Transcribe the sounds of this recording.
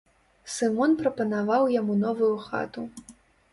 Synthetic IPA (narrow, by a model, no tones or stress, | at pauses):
sɨmɔnpɾɐpɐnavawjamunɔvujuxa̰t̪u